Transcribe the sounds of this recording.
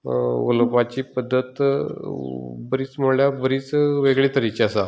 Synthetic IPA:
o̰lkʋat͡ɕiːpəd̪ʱːət̪ | bəɾiːt͡sm̤oɭjabəɾiːt͡sʋeɡɭit̪əɾit͡ɕiəsa

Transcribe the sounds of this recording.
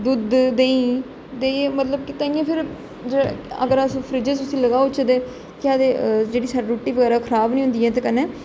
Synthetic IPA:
d̪ʊd̪d̪ẽːĩː | t̪eːmət̪ləb̚kɪt̪ãːiːãːpʰɪɾ | d͡ʒə̰ɡəɾəspʰɾid͡ʒəsʊsĩːləɡaːʊt͡ʃəd̪eː | kɪaːd̪eːd͡ʒeːɽiːsaːɖiːɾoːʈːiːʋəɡɛːɾaːkʰəɾaːbnĩːɦʊ̃nd̪iːɦɛːt̪̬eːkəneː

